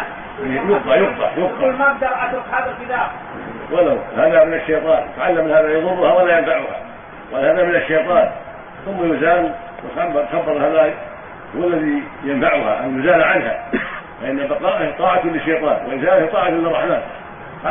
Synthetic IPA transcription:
jʊbq̪ˤɑʕjʊb̚t̪ˤɑ̰ʕjʊbqqɑlmabd̪ɑɾˤʕat̪ʊħaːdalfɪd̪aː | wʔalawhaːðamɪnaʃːejt̪ˤɑːnwɪ̰t̪aʕalːamlhaðajɑðˤʊrːʊhawalajanfaʕʊha̰ | walhaðamɪnaʃːejt̪ˤɑːn | θʊmːajʊzaːl | wɪt̪at̪xabːɑɾˤhaða | hʊwalːaðijanfaʕʊha̰ʔanjʊzaːlʕanha̰faʔɪnːabɑqɑːʔaht̪ˤɑːʕat̪lɪʃːejt̪ˤɑːnwajʊzaːlht̪ˤɑːʕat̪lːɨrˤːɑħmaːt̪

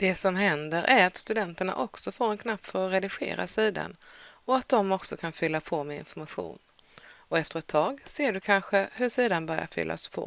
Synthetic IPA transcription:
d̪̥ɛsɔmɦɛnd̪əɾʔæɾat̪st̪ɵd̪ɛnt̪əɳa̰ʔɔksɔfoːɾɛnkʰnapːfœɾɔɾɛd̪ɪɧḛːɾa̰siːd̪a̰nɔat̪̚d̪ɔmɔksɔkʰanfʏlːapʰɔmɛɪ̰nfɔɾmaɧṵːn | ɔɛft̪əɾɛt̪ʰːɑːɡseːɖɵkʰanɧəɦɵʂiːd̪anbœɾja̰ɾfʏ̰lːa̰spʰɔ̰

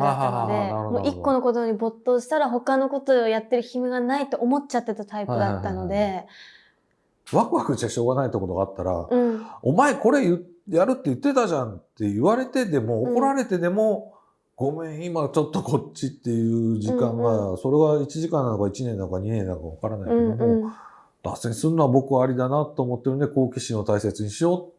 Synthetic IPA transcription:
aɦaɦad̪enaɾmoːikːo̞no̞ko̞t̪o̞ɲ̟ibo̞t̪ːo̞ːɕi̥t̪aɾaɦo̞kano̞ko̞t̪o̞jat̪ːe̞ɾɯ̟çimɯɡanait̪ːo̞ʔomo̞t͡ɕat̪ːe̞t̪at̪aipaɯd̪at̪ːano̞d̪e̞ | βakɯ̟βakɯ̟t͡ɕiaɕo̞ːɡanait̪ːeko̞t̪o̞ɡaːt̪ːaɾa̰ɯ̟̃omaeko̞ɾe̞jɯ | jaɾɯ̟t̪ːejɯ̟t̪ːe̞t̪aʑãnt̪e̞iβaɾe̞t̪e̞d̪e̞mo̞ːko̞ɾaɾe̞t̪e̞d̪e̞mo̞ | ɡ̥o̞mẽ̞ɰ̃imat͡ɕo̞t̪ːo̞kʰo̞ɕit̪ːe̞jɯ̟ːʑikãŋɡaso̞ɾe̞ɡait͡ɕiʑikãnːanokait͡ɕinẽ̞nd̪aŋkaɲ̟inẽ̞nːãŋkaβ̞akaɾanaikeed̪o̞mo | d̪̥a̰seɲisɨnːoabo̞kɯ̟aːɾʲid̪anat̪ːo̞ːmo̞t̪ːend̪eko̞ːkʲiɕĩo̞t̪aise̞t͡sɨɲ̟iɕijo̞t̪

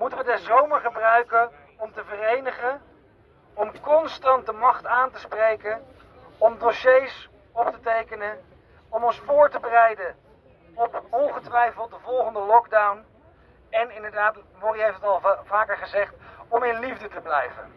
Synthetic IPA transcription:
mutəʋədɛzowməɹχəbrœɥkə | ɔmtəvərejnəχə | ɔmkɔnstɑnt̚dəmɑχtaːntəsprejkən | ɔmdoʃejs | ɔp̚tətejkənən | ɔmɔnsfʊːɹtəbərɛjdən | ɔpɔnχətʋɛjfəlˠt̚dəvɔlˠχəndəlɔɡdawn | ɛnɪndəɹdaːtmɔriɦejftətɑlˠvaːkəɹχəzɛχtɔmɪnlivdətəblɛjvə̰n

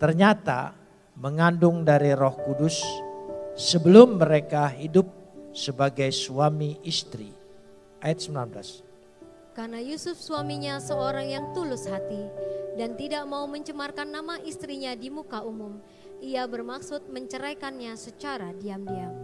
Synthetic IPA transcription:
t̪ərɲat̪a̰ | məŋandʊŋdaɾirɔhkudʊsː | əbəlʊmːəɾekaɦidʊp̚səbaɡajsuamiʔist̪ɾḭ | ʔajat̪̚səmbilanbəla̰s | karnajusʊfsuamiɲasəoɾaŋjaŋt̪ulʊshat̪idant̪idaʔmauməɲt͡ʃəmarkanːamaʔist̪ɾiɲadimukaumʊm | iabərmaksʊt̪̚məɲt͡ʃəɾajkanɲasət͡ʃaɾadiamdiam

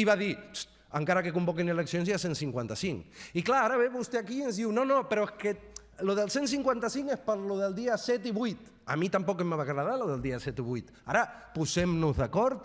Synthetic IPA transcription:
iβaðis | aŋkaɾakekumbɔkineleksionzjasensiŋkwant̪asiŋiklaaɾaβeβust̪eakienzðiwnonopeɾoeske | loðelˠsensiŋkwant̪asiŋespəɾloðelˠd̪iasɛt̪iβujt̪ | a̰mit̪ampɔkemːaβaɣɾaðaloðelˠd̪iasɛt̪iβ̞ujt̪aɾapuzemnuzðakɔɾt̪

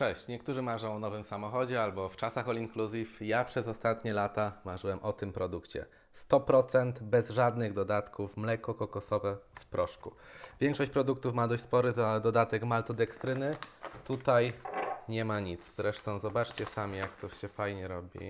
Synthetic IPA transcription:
t͡ʂɛɕt͡ɕɲɛkt̪uʐɘmaʐɔ̃w̃ɔnɔvɘmsamɔxɔd͡ʑɛalbɔft͡ʂasaxɔlʲiŋkluzʲifjapʂɛzɔst̪at̪ɲɛlat̪amaʐɘwɛmʔɔt̪ɘmpɾɔd̪ukt͡ɕɛ̰ | st̪ɔpɾɔt̪sɛnt̪bɛzʐad̪nɘɣd̪ɔd̪at̪kʰufmlɛkɔkɔkɔsɔvɛfpɾɔʂkṵvʲjɛŋkʂɔɕt͡ɕʲpɾɔd̪ukt̪ufmad̪ɔɕt͡ɕ̪ʲspɔɾɘzad̪ɔd̪at̪ɛkmalt̪ɔd̪ɛkst̪ɾɘnɘt̪ut̪ajɲɛmaɲit̪sz̥ɾɛʂt̪ɔ̃w̃zɔbat͡ʂt͡ɕɛsamʲijakt̪ɔɕɛfajɲɛɾɔbʲḭ

